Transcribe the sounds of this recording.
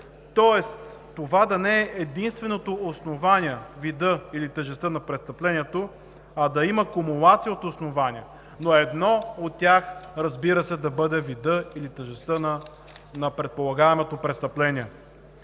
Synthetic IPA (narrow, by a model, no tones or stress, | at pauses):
t̪ɔɛst̪t̪ːovad̪ɐnɛɛʔɛd̪inst̪vɛnot̪oːsnovaniɛvid̪ɤilit̪əʒɛst̪ənɐpɾɛtst̪ɐplɛnʲiɛt̪o | ɐd̪ɐimɐkomulˠat̪sijəot̪osnovanʲiɛ | noɛd̪nɔot̪ːʲaxɾɐzbiɾəsɛd̪ɐbɤd̪ɛvid̪ɤilit̪əʒɛst̪ənɐ | nɐpɾɛt̪̚polˠɐɡaɛmot̪opɾɛtst̪əplɛnʲiɛ